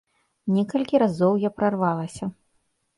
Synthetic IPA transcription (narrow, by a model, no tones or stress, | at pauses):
nʲɛkɐlʲkʲiɾazɔwjapɾarvalˠɐsʲɐ